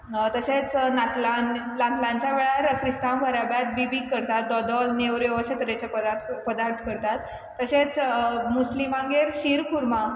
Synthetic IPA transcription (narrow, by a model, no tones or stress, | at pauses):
t̪əɕet͡snat̪lan | lãt̪ʰlãɲt͡ɕjaʋeɭaɾkʰɾist̪ãmkəɾabjat̪̚bibikːəɾt̪at̪̚d̪ɔd̪ɔlnewɾjoʋəɕẽt̪əɾet͡ɕapəd̪aɾt̪ʰpəd̪aɾt̪ʰkəɾt̪at̪ː | əɕet͡smuslimãŋɡeɾɕiːɾkuɾma